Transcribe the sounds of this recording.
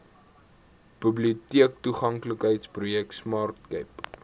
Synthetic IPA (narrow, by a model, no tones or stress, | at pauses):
b̥əbliutiək̚tuχɐŋkləkɦəjtsprujɛk̚tsmɑːrtkəjp